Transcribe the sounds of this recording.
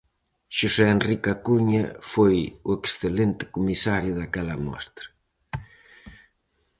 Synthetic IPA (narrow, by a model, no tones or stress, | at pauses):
ʃusɛenrikakuɲa̰fojueksθelent̪ɪ̥kumisaɾjʊðakɛlɐmɔ̰st̪ɾa